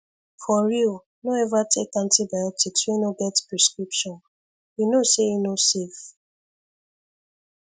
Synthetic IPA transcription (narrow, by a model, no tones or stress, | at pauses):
fɔɹiul | noɛvatʰekãntibajɔtikswɛ̃noɡɛtpɹɛskɹipʃɔ̃n | junoseinosef